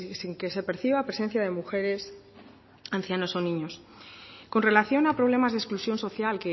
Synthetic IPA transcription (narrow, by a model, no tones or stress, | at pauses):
siŋke̞se̞pe̞ɾθiβapɾesẽ̞n̟θjað̞e̞muxe̞ɾe̞s | an̟θjano̞so̞nĩɲo̞s | ko̞nre̞laθjo̞napɾo̞β̞le̞mazðesklusjo̞nso̞θjalke